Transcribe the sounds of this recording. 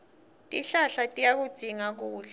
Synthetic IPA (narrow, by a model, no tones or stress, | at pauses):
tʼiɬaɬatʼijak̬ud̥z̥ʱiŋak̬uːɮɛ